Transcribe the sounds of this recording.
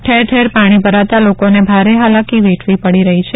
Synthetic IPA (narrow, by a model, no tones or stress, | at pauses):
ʈʰeɾʈʰeɾpaɽ̃ibʱəɾat̪alokonebʱaɾeɦalakiʋeʈʰʋipəɽiɾəɦit͡ʃʰe